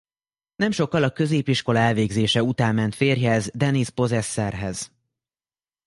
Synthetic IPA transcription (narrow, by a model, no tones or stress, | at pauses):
nɛmʃo̞kːɒlɒkø̞zeːpiʃko̞lɒɛlveːɡzeːʃɛut̪aːmːɛn̪t̪feːrjɦɛzd̪ɛnispo̞zɛsːɛrɦɛz̥